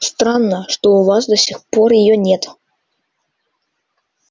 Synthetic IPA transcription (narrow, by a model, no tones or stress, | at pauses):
st̪ɾanːəʂt̪ɔuvasd̪ɐsʲixpɔrjɪjɔnʲɛt̪